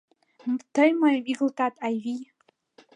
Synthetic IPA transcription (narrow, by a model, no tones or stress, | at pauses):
mtʰəjmajmiɡɨltʰʼatʼajvi